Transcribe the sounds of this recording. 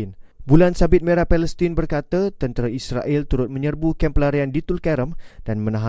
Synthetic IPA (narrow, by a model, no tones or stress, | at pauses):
nbulansabɪt̪̚mẽɾapɛləst̪inbərkat̪ət̪ənt̪əɾaisɾaʔɛlt̪uɾʊt̪̚mə̃ɲərbukɛmpəlaɾiandit̪ulkɛɾəmd̥anmə̃nãɦa